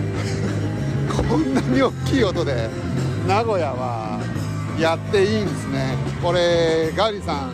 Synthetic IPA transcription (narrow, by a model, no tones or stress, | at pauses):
kʰõnːaɲ̟io̞kʲːiːo̞t̪o̞d̪e̞ | naɡo̞jaβa̰ | jat̪ːe̞iːnd̪e̞sɨne̞ko̞ɾe̞ɡaɾʲisãŋ